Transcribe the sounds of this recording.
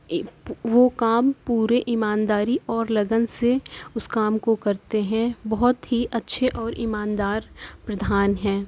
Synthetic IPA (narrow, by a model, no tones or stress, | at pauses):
ʋokaːmpuːɾeʔɪmaːnd̪aːɾiʔɔːɾlɐɡənseʊskaːmkokɐɾt̪eɦɛ̃bɔɦʊt̪ɦiʔɐtːʃʰeʔɔːɾɪmaːnd̪aːɾpɾɐd̪ʱaːnɦɛ̃ː